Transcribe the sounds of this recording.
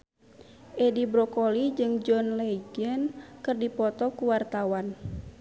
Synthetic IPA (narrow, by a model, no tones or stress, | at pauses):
ʔɛdibɾɔkɔlid͡ʒɨŋd͡ʒɔnled͡ʒənkɨrdipɔt̪ɔkuwart̪awan